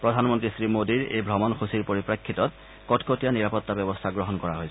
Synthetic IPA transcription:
pɹɔdʱanmɔntɹisɹimodiɹḛjbʱɹɔmɔnxʰusiɹpoɹipɹakʰːitɔt̚ | kɔtkotijaniɹapɔtːabɛbɔstʰaɡɹɔɦɔnkɔɹaɦojs

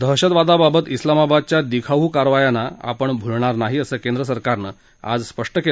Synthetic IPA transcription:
d̪ʱəɦɕət̪ʋad̪ababət̪islamabad̪̚t͡ɕjad̪ikʰaʋukaɾʋajanaa̰pəɳbʱulɳaɾnaɦiəsəːkend̪ɾəsəɾkaɾnə | a̰d͡zspəʂʈəke

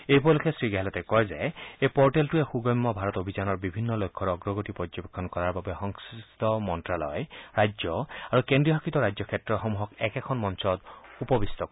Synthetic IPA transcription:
ejpɔlukʰesɾiɡeɦɛlɔt̪ekɔjzeepɔɾʈelʈuexuɡɔjmːɔbʱaɾɔt̪obʱid͡ʒanɔɾbibʱinːɔlojkʰːɔɾɔɡɾɔɡɔʈipɾɔd͡ʒɔbekʰːɔnkɔɾaɾbabehɔŋsist̪ɔmɔnʈɾalɔjeɾajd͡ʒjɔaɾukendɾiɔɦakʰit̪ɔɾajd͡ʒjɔkʰjetɾɔxɔmuɦɔkɛkekʰɔnmɔnsɔd̪upɔbist̪ɔkɔ

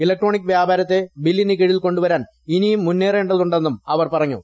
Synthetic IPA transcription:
ilɐk̚ʈro̞ːɳikːʋjaːbʱaːɾɐt̪ːe̞bilːinek̬eɻiilko̞ɳɖuʋɐɾaːn | inijumːunːeːreːɳɖɐðuɳɖenːumɐʋɐrpɐrɐɲːṵ

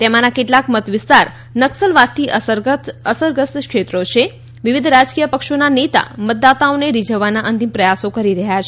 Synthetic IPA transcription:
t̪emanakeʈlakmət̪ʋɪst̪aɾ | nəksəlʋat̪ʰːi | əsəɾɡəst̪kʃet̪ɾot͡ʃʰe | ʋiʋid̪ʱɾad͡ʒkijəpəkʃonanet̪a̰mət̪̚d̪at̪aoneɾid͡ʒəʋanaʔənt̪impɾəjasokəɾiɾəɦjat͡ʃʰ

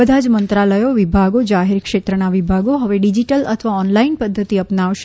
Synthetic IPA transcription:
əd̪ʱad͡ʒmənt̪ɾaləjoʋibʱaɡod͡ʒaɦeɾkʃet̪ɾənaʋibʱaɡoɦəʋeɖid͡ʒiʈələt̪ʰəʋaɔnlainpəd̪ʱːət̪iəpnaʋʃ

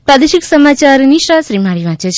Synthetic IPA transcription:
pɾad̪eʃiksəmat͡ʃaɾniʃɾaʃɾimaɭiʋãt͡ʃet͡ʃʰ

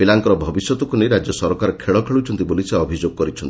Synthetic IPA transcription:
ibilaŋkɔɾɔbʱɔbisjɔt̪ɔkunejɾad͡ʒjɔsɔɾɔkaɾekʰeɭɔkʰeɭuwt͡ʃʰɔnt̪iboliseɔbʱid͡ʒoɡ̚kɔɾit͡ʃʰɔnt̪i

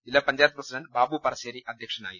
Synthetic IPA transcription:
ilːɐpɐɲd͡ʑaːt̪prɐsidɐnbaːbupɐrɐɕeːɾiʔɐd̪ʱjɐkʂɐna̰ːji

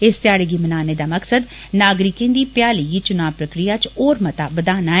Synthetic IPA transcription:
ɪst̪ɪjaːɽeɡiːmənaːneːd̪aːməksəd̪ | naːɡɾɪkẽːnd̪iːpjaːliɡiːt͡ʃʊnaːʋpɾəkɾijaːt͡ʃoːɾmət̪aːbəd̪aːnaːɛ

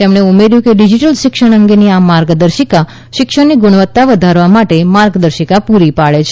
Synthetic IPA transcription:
t̪emɳ̃eumeɾjũkeɖid͡ʒiʈəlʃɪkʃəɳ̃əŋɡeniamaɾɡd̪əɾʃika | ʃɪkʃəɳniɡʊɳ̃ʋət̪ːaʋəd̪ʱaɾʋamaʈemaɾɡd̪əɾʃikapuɾipaɭet͡ʃʰ

